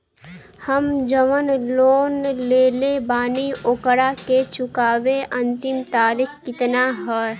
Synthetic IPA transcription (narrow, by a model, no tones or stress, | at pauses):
həmd͡ʒəʋənloːnleːlebaːniokɽaket͡ʃʊkaːʋeʔə̃nt̪ɪmt̪aːɾɪkkɪt̪naɦɛ